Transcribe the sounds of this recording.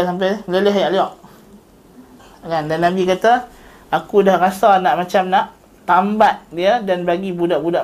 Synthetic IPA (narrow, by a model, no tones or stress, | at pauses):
sampajmleləɦajaʔliɔʔ | kandanːãbikat̪a | akudahrasanaʔmat͡ʃamnaʔ | t̪ambat̪̚diədanbaɡibudaʔbudaʔ